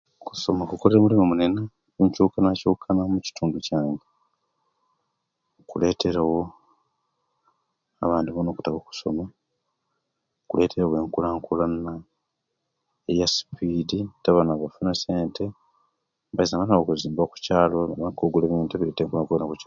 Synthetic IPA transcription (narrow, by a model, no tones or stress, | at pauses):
ku̥so̞makukoleɾeːmulimomune̞na | eɲcuːkanacoːkʰanamuci̥tuːnducaːŋɡe | kule̞ːte̞ɾawo̞ | a̰βaːndiβonoːku̥taβoku̥so̞ma | okule̞ːtʰe̞ɾawe̞ːŋkulaːŋkulana | ejasi̥piːditaβanaβafunaseːnte | βaizaβanawokuziːmbaku̥caːloaβakoɡuleβiːnteβileteːŋkulakuβanakut͡ʃa